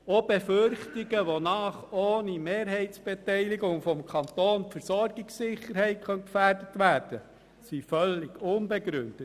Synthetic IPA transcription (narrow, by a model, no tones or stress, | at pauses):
ob̥efʏrχtɪɡəʋonɑːχoːnimeːɾɦɛɪtsb̥ɛtɛɪliɡʊŋfɔmkʰɑnt̪oːntfəɾsɔɾɡɪksɪχːəɾhɛɪt̚kʰœnkfærdətʋæːɾd̥ə | sifœlːɪɡʊnbɛɡɾʏnd̥ət